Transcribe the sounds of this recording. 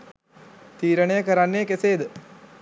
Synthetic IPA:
t̪iːɾəɳəjəkəɾanːeəkeseːd̪ə

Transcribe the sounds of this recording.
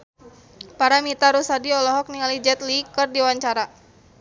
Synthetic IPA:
paɾamit̪aɾusadiɔlɔɦɔk̚niŋalid͡ʒɛt̪likɨrdiwaɲt͡ʃaɾa

